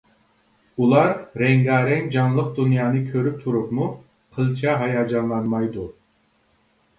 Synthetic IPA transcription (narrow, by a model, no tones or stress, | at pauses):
ulˠɑɾɾɛŋɡɑːɾɛŋd͡ʒɑnlˠəq̚d̪unjɑːnɨkʲʰøɾyp̚t̪ʰuɾupmu | qʰəlˠt͡ʃʰɑɦɑjɑːd͡ʒɑnlˠɑnmɑjd̪u